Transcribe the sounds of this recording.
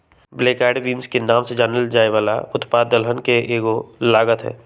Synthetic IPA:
bleːkɛːɖʋĩːnskenaːmsed͡ʒaːnəld͡ʒaːeʋaːla̰ʊt̪paːəlɦənkeʔeːɡolaːɡət̪ɦɛ̰ː

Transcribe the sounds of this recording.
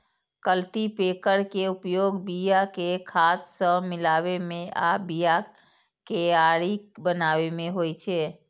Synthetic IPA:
kəlt̪ipekəɾkeupjoɡbijakekʰat̪sə̃milaβemẽʔabija | keaɾibənaʋemeɦojt͡ʃʰɛ

